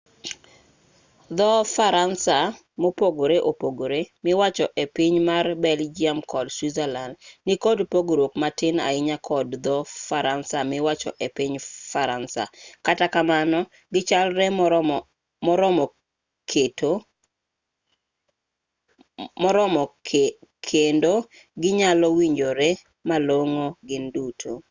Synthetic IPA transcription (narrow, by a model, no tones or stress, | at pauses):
d̪ɔfaɾansa | mopoɡoɾeʔopoɡoɾemɪwat͡ʃɔʔepiɲmarbɛld͡ʒiamkɔlswizɛlandnikɔdpoɡoɾokmatɪna̰ɪɲakʰɔdd̪ɔfaɾansamɪwat͡ʃɔ̰ʔepɪɲfaɾansa̰katakamanɔ | ɡɪt͡ʃalɾɛ | mɔɾɔmɔ | keto | mɔɾɔmɔ | kʰendo | ɡɪɲalɔwiɲd͡ʒoɾɛ | maloŋoɡɪndutʰo